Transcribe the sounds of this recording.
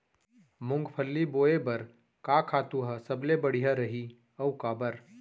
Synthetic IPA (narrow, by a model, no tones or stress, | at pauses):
mʊ̃ŋɡpʰəlːiboːebɐɾ | kakʰaːt̪uɦəsəblebəɽ̤ijɦaɾəɦi | əukaːbəɾ